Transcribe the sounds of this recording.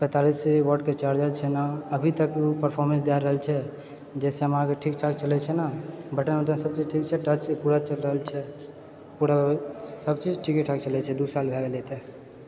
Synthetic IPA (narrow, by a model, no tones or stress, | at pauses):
pɛ̃t̪aliseiwəɖket͡ʃaɾd͡ʒaɾt͡ʃʰɛnaəbʱit̪əkupəɾpʰɔɾmə̃ns̬d̪aɾəɦəlt͡ʃʰɛ | d͡ʒɛseəmãkeʈʰikʈʰək̚t͡ʃəlɛt͡ʃʰɛnabʱəʈənmeʈ̪ə̃səb̚t͡ʃid͡ʒʈʰikt͡ʃʰɛʈət͡ʃpuɾat͡ʃəlɾəɦəlt͡ʃʰɛ | puɾasəbt͡ʃid͡ʒʈʰikiʈʰək̚t͡ʃəlɛt͡ʃʰɛd̪usalbʱɛɡelɛt̪ɛ